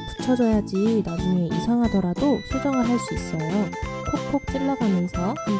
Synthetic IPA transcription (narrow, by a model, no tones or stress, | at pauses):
pu̥t͡ɕʰʌd͡ʑʌjad͡ʑinad͡ʑuŋeʔḭsʰaŋɦadʌɾadosʰud͡ʑʌŋɯɭɦaɭs͈uis͈ʌjo | pʰok̚pʰok̚t͡ɕ͈iɭːaɡamjʌnsʰʌ